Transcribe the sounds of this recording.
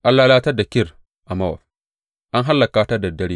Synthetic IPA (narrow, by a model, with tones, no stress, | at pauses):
ʔa˦lːaː˦laː˦ta˦da˨kʲɪ˦ɾ | ʔa˨ma˦wa̰˨ | ʔa˦nɦa˦lːa˨kaː˦ta˦da˨dɐ˦ɽi˦